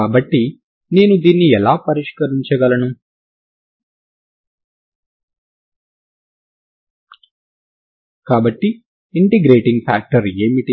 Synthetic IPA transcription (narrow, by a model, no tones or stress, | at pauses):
aːbɐʈːi | ne̞ːnud̪iːnːiɛlaːpɐɾiʂkɐɾiɲt͡ʃɐɡɐlɐnu | kaːbɐʈːiː | ɳʈeɡɾeːʈiŋɡpʰa̰ːk̚ʈɐɾeːmiʈ